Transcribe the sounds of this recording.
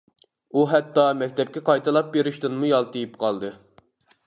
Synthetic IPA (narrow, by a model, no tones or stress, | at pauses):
uɦɛt̪ːɑmɛkʲt̪ʰɛp̚kʲɛqʰɑjt̪ʰɨlˠɑp̚beɾɪʃt̪ɪnmujɑlˠt̪ejipqʰɑlˠd̪ɨ